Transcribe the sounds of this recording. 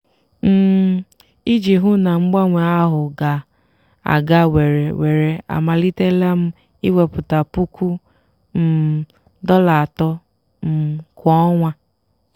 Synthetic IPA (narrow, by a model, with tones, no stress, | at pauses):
m̩˦˨ | i˦d͡ʒi˨ɦʊ˦na˨ŋ͡m̩˦ɡ͡ba˦ŋʷe˨a˦ɦʊ˨ɡa˨ | a̰˨ɡa˦we˨ɾe˨we˨ɾe˨a̰˨ma˨li˦te˦la˦m̩˦ | i˦we˨pʊ˨ta˨pu˦kʷu˦ | m̩˨ | dɔ˦la˨a˨tɔ˦ | m̩˨kɔ˦ŋʷa˦